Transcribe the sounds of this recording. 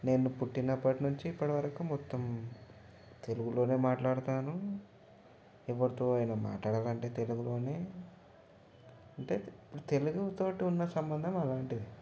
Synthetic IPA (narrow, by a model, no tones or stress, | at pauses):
ne̞ːnːupuʈːinɐpːɐʈinuɲt͡ʃiːpːɐʈɐʋɐɾɐkumɔt̪ːɐm | t̪e̞luɡuloːne̞ːmaːʈlaːɽut̪aːnu | ɛʋːɐɽɐt̪oːajnɐma̰ːʈlaːɽaːlɐɳʈe̞ːt̪e̞luɡulo̞ːne̞ː | ɐɳʈe̞ːipːuɽut̪e̞luɡut̪o̞ːʈiunːɐsɐmbɐnd̪ʱɐmɐlaːɳʈid̪i